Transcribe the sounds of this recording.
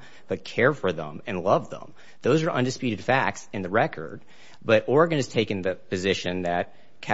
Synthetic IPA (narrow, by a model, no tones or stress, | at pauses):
b̥ʌt̚kʰɛɹfə˞ðə̰̃mɨ̃nlʌvðə̰̃m | ðoʊzə˞ʔʌ̰̃ndɨspjʉɾɨd̥fæk̚tsɨ̃nðɨɹɛkʰə̰˞d̚ | bʌɾɔɹɡɨ̃nɨz̥tʰeɪkɨ̃nðɨpɨzɪʃɨ̃nðɨt̚ | kʰæ